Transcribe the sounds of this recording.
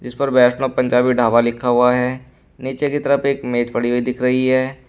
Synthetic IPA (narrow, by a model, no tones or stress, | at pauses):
d͡ʒɪspɐɾbɛːʃnopɐ̃ɲd͡ʒaːbiɖʱaːʋalɪkʰːaɦʊaɦɛː | niːt͡ʃekit̪ɐɾəpeːkmeːt͡ʃpɐɽiʋoid̪ɪkʰɾɐɦiɦɛː